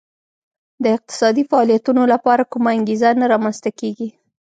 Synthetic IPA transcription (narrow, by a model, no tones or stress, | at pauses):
d̪əɪq̚t̪ɪ̥sɑd̪ifaɑlijat̪unolapɑɾakumaaŋɡezanaɾɑmanst̪akeɡi